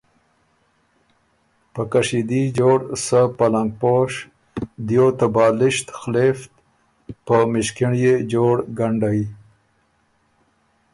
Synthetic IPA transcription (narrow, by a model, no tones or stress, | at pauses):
pəkaʂid̪id͡ʒoːɽsəpalaŋɡ̚poʂ | d̪ijot̪abɑːlɪʃt̪xleft̪ | pəmɪʃkɪɳjed͡ʒoɽɡaɳɖaj